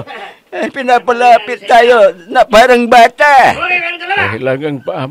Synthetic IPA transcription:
ehpinapəlapit̪ajonaʔb̥aɾəŋbat̪a | ehlaŋaŋpaʔah

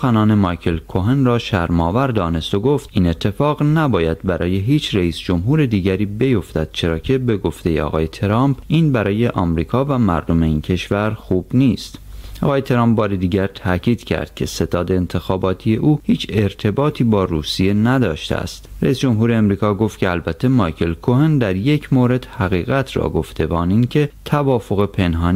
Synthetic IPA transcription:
soxænɒːne̞mɑjkʰe̞lkʰoɦenrɒːʃæ̰ɾmɒːvæɾd̪ɒːne̞st̪oɡo̞ft̪iːne̞t̪ʰːe̞fɒːɣnæbɒːjæd̪bæɾʔɒːje̞ɦiːt͡ʃʰreiːsd͡ʒo̞mɦuːɾe̞d̪iːɟæɾiːbe̞jo̞ft̪æd̪̥̚t͡ʃʰe̞ɾɒːcʰe̞be̞ɡo̞ft̪e̞jeɒ̰ːɣɒːje̞t̪ʰeɾɒːmpʰʔiːnbæɾɒːje̞ʔɒːmɾiːkʰɒːvæmæ̰ɾd̪o̞me̞iːncʰe̞ʃvæɾxuːb̥niːst̪ʔɒːɣɒːjet̪ʰeɾɑːmp̚bɒːɾed̪iːɟæɾt̪ʰæcʰiːd̪̥cʰæ̰ɾd̪̥̚kcʰe̞se̞t̪ʰɒːd̪e̞ːnt̪ʰe̞xɒːbɒːt̪ʰije̞ʔuːhiːt͡ʃʰe̞ɾt̪ʰe̞bɒːt̪ʰiːbɒːruːsije̞næd̪ɒːʃt̪ḛæ̰st̪ɾæisd͡ʒo̞mɦuːɾeːmɾiːkɒːɡo̞ft̪cʰe̞ælbæt̪ʰːe̞mɒːjkʰe̞lkʰohend̪æɾje̞cʰmoːɾe̞d̪̥hæɣiːɣæt̪ʰrɒ̰ːɡo̞ft̪ʰe̞vɒːnincʰe̞t̪ʰævɒːfo̞ɣepʰe̞nɦɒːn

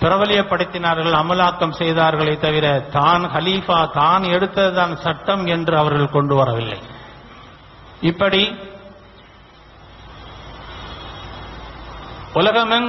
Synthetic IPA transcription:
pɪɾɐʋɐlɪjɐpːɐɽɪt̪ːɪnaːɾɣɐɭɐmɐlaːkːɐmsɛjðaːɾɣɐɭɐɪt̪ːɐʋɪɾɐt̪aːnxɐliːfaːt̪aːnɛɽɯt̪ːɐðɯðaːnsɐʈːɐmɛndrɯɐʋɐɾɣɐɭkɔɳɖɯʋɐɾɐʋɪlːɐ̰ɪ | ɪpːɐɽi | ʊlɐɣɐmɐn

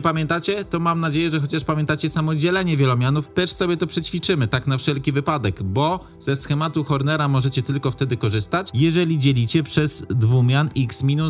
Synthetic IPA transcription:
pamʲjɛnt̪at͡ɕɛt̪ɔmamnad͡ʑejɛʐɛxɔt͡ɕaʂpamʲjɛnt̪at͡ɕɛsamɔd͡ʑɛlɛɲɛvʲjɛlɔmʲjanuft̪ɛʂsɔbʲjɛt̪ɔpʂɛt͡ɕfʲit͡ʂɘmɘt̪aknafʂɛlkʲivɘpad̪ɛɡbɔ | z̥ɛsxɛmat̪uxɔɾnɛɾamɔʐɛt͡ɕɛt̪ɘlkɔft̪ɛd̪ɘkɔʐɘst̪at͡ɕjɛʐɛlʲid͡ʑɛlʲit͡ɕɛpʂɛz̥d̪vumʲjaniksmʲinu

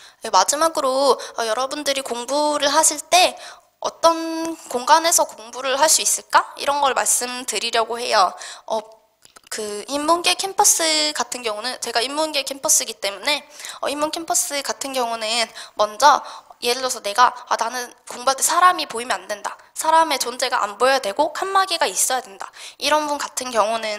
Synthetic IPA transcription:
emad͡ʑimaɡɯɾoʌjʌɾʌbundɯɾikoŋbuɾɯɭɦaɕʰiɭt͈e̞ | ʌ̰t͈ʌnkoŋɡane̞sʰʌkoŋbuɾɯɭɦaɭs͈uis͈ɯɭk͈aḭɾʌnɡʌɭmaɭs͈ɯmdɯɾiɾjʌɡohe̞̰jʌʌ | kɯhimːonɡe̞kʰempʰʌs͈ɯɡatʰɯnɡjʌŋunɯnt͡ɕe̞ɡaimːonɡe̞kʰempʰʌs͈ɯɡit͈e̞mune̞ʌimːonkʰempʰʌs͈ɯkatʰɯnɡjʌŋunɯnmʌnd͡ʑʌje̞ɾɯɭːʌsʰʌne̞ɡaananɯnkoŋbaɭt͈esʰaɾamipoimjʌnandwe̞nda | sʰaɾame̞t͡ɕond͡ʑe̞ɡa̰ʔa̰nbojʌdwe̞ɡokʰanmaɡiɡais͈ʌjadwe̞nda̰iɾʌnbunkatʰɯnkjʌŋunɯn

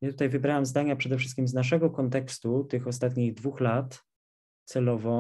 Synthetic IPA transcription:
jat̪ut̪ajvɘbɾawamzd̪aɲapʂɛd̪ɛfʂɘs̚kʲimznaʂ̬ɛɡɔkɔnt̪ɛkst̪ut̪ɘxɔst̪at̪ɲiɣd̪vuxlat̪ | t̪sɛlɔvɔ̃

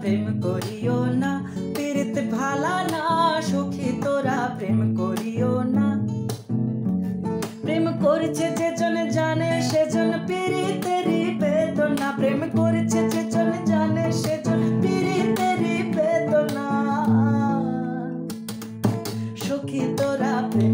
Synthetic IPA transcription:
pɾeːmkoɾijoːna | piɾɪt̪bʱaːlaːnaʃokʰit̪oɾaːpɾeːmkoɾijoːna | pɾeːmkoɾt͡ʃʰed͡ʒed͡ʒond͡ʒaːneʃed͡ʒɔnpiɾit̪eɾibed̪onapɾemkoɾit͡ʃʰed͡ʒed͡ʒond͡ʒaneʃed͡ʒonpiɾit̪eɾibed̪ona | ʃokʰit̪oɾapɾe

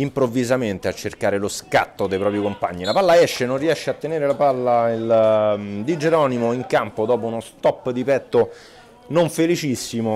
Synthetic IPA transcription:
impɾovːizament̪eat͡ʃːerkaːɾeloska̰t̪ːod̪ejpɾɔːpɾjikompa̰ɲːilapalːaɛʃːenonriɛʃːeat̪ːeneːɾelapalːail | d̪id͡ʒeɾɔːnimoiŋkampod̪ɔːpounost̪ɔpːd̪ipɛt̪ːo | noɱfelit͡ʃisːimo

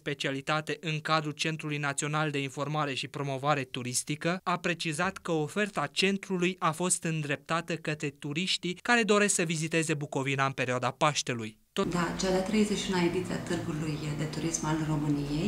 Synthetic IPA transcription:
spe̞t͡ʃialit̪at̪e̞ʔɨŋkad̪ɾult͡ʃe̞nt̪ɾulujnat̪sio̞nald̪e̞info̞rmaɾe̞ʃipɾo̞mo̞vaɾe̞t̪uɾist̪ikəapɾe̞t͡ʃizat̪kəofe̞rt̪at͡ʃe̞nt̪ɾulujafo̞st̪ɨnd̪ɾe̞p̚t̪at̪əkət̪ɾe̞t̪uɾiʃt̪ikaɾe̞d̪o̞ɾe̞sksəvizit̪e̞ze̞buko̞vinaɨnpe̞ɾiad̪apaʃt̪e̞luj | t̪od̪at͡ʃad̪at̪ɾe̞jzeʃiunaed̪it̪siat̪ɨrɡulujd̪e̞t̪uɾismalro̞mɨnijej

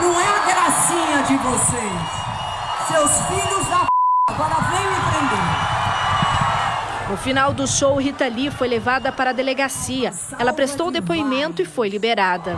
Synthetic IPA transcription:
nɐ̃w̃ɛɡɾasĩɲɐd͡ʒɪvose | s | sewsfiʎʊzd̪apaɡɔɾɐvẽj̃ɪ̃tẽnd̪ẽʊ | nʊfinawd̪ʊʃowɦit̪alifojlevad̪ɐpaɾɐːd̪eleɡasiɐ | ɛlɐpɾest̪owd̪epoimẽnt̪ʊɪfojlibeɾad̪ɐ

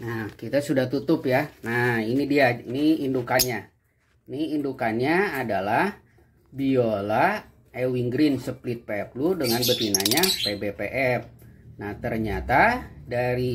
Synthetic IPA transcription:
nahkit̪asudaht̪ut̪ʊpjanahinidiainiindukanɲa | niindukanɲaːdalah | biola | ewiŋɡɾinsəplɪt̪̚peɛp̚ludəŋanbət̪inaɲapebepeʔɛp̚naht̪ərɲat̪adaɾi

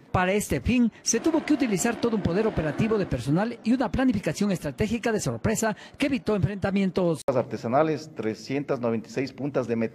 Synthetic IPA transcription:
paɾae̞st̪e̞finse̞t̪uβo̞keut̪̬ilisaɾt̪o̞ðoumpo̞ðe̞ɾo̞pe̞ɾat̪iβo̞ðe̞pe̞ɾsonaliunaplanifikasjo̞ŋe̞st̪ɾat̪e̞xikaðe̞so̞ɾpɾe̞sa | keːβit̪o̞eɱfɾe̞nt̪amje̞nt̪o̞sasaɾt̪esanalest̪ɾesjent̪aznoβent̪asejspunt̪azðemet̪

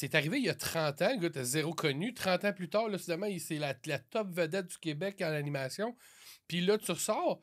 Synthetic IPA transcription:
sɛt̪aʁiveijɐt̪ʁɑ̃ːt̪ãləɡɔt̪ɛzeʁokʰɔnyt̪ʁɑ̃t̪ãplyt̪ɑːʁlɔsid̪ɛmãiselalat̪ɔpvəd̪ɛt̪̚d̪zy̥kʲebɛkãlanimaːsjɔ̃ | pilʌt̪ʁsɑːʁ

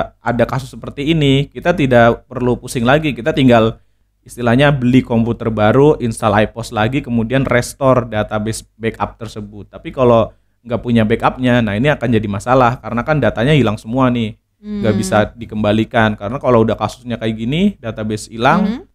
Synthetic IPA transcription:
adakasʊsːəpərt̪iːnikit̪at̪idaʔpərlupusɪŋlaɡikit̪at̪iŋɡal | ist̪ilahɲabəlikɔmput̪ərbaɾuʔinst̪alaipɔslaɡikəmudianrɛst̪ɔrdat̪abɛsbɛka̰p̚t̪ərsəbʊt̪ːapikalo | ŋɡaʔpuɲabɛkap̚ɲanahiniakand͡ʒadimasalahkaɾənakandat̪aɲahilaŋsəmuanɪh | ŋɡaʔbisadikəmbalikankaɾənakaloudahkasʊ̥sɲakajiɡinidat̪abɛsilaŋ

